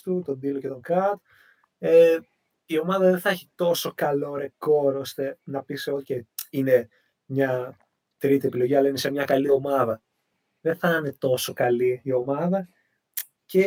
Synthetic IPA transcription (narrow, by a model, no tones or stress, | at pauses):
t̪ut̪o̞nd̪iloce̞t̪o̞ŋkɐt̪ | e | io̞mɐðɐðenθɐeçi̥t̪o̞so̞kɐlo̞ɾeko̞ɾo̞st̪e̞nɐpiseoceine̞ | mɲɐ | t̪ɾit̪ie̞pilo̞ʝiɐlɐine̞semɲɐkɐlio̞mɐðɐ | ðeθɐne̞t̪o̞so̞kɐliːo̞mɐðɐ | ce̞